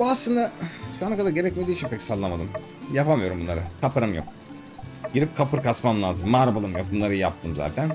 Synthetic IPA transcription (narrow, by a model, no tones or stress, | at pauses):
buaslˠɯnd̪aʃuanakad̪aɾɟe̞ɾɛcmed̪iːt͡ʃʰimpʰɛcsalˠːamad̪ɯm | japamɯjo̞ɾumbunˠaɾɯk̪ʰapaɾɯmjo̰k̚ | ɟ̥iɾip̚kʰapɯɾkasmamlˠaːzɯmːaːɾabalˠɯmjok̚bunlˠaɾɯjjap̚t̪ʰɯmza̰ːt̪ʰæn